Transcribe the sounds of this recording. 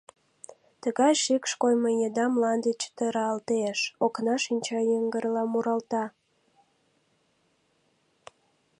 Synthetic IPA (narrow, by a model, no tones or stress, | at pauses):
t̪əɣɑjʃikʃkojməjed̪ɑmlɑnd̪et͡ɕt̪əɾɑːlt̪eʃoknɑʃinʲt͡ɕɑjəŋɡəɾlɑmuɾɑlt̪ɑ